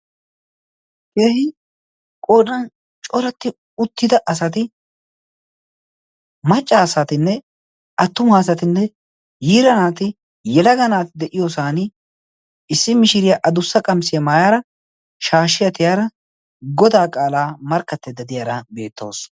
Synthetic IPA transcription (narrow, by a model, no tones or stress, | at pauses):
keːhɪ | kʼoːᶑɐn | t͡ʃʼɔɾɐt̪ːɪ | ʊt̪ːɪd̪ɐʔɐsɐt̪ɪ | mɐt͡ʃʼːaːsɐt̪ɪnːɛ | ɐt̪ːʊmaːs̬ɐt̪ɪnːɛ | jiːɾɐnaːt̪ɪ | jɛlɐɡɐnaːt̪ɪd̪ɛʔɪjosaːnɪ | ɪsːɪmɪʃɪɾɪjɐʔɐd̪ʊsːɐkʼɐmsɪjɐmaːjaːɾɐ | ʃaːʃɪjɐt̪ɪjaːɾɐ | ɡɔd̪aːkʼaːlaːmɐɾkːɐt̪ːɛd̪ɐd̪ɪjaːɾɐbe̞ːt̪ːo̞̰ːs